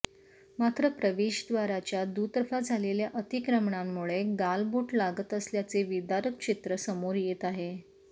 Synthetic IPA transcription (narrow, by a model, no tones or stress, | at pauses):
mat̪ɾəpɾəʋeɕd̪ʋaɾat͡ɕjad̪ut̪əɾfad͡zʱaleljaʔət̪ikɾəmɳamːuɭeɡalbuːʈlaɡət̪əsljat͡seʋid̪aɾək̚t͡ɕit̪ɾəsəmoɾjet̪aɦe